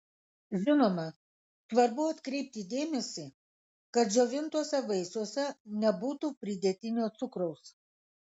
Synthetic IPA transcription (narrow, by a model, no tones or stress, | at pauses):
ʒʲɪnoːmɐ | sʋɐɾbʊɐt̪kɾʲɛɪp̚ʲt̪ʲɪd̪ʲeːmʲɛsʲi | kɐt̪ʒʲoːʋʲɪnt̪uɔsʲɛʋɐɪsuɔsʲɛnʲɛbuːt̪uːpʲɾʲɪd̪ʲɛt̪ʲɪnʲoːt̪sʊkɾɔʊs